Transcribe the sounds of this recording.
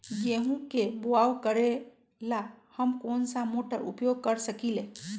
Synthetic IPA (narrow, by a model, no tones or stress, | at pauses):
jeɦũkeboawkəɾe | lahəmkoːnsamoʈəɾṵpjoɡ̚kəɾsəkile